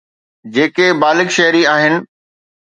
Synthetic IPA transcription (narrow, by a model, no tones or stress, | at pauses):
d͡ʑeːkebaːlɪkʃɐɦɾiaːɦɪnɪ̆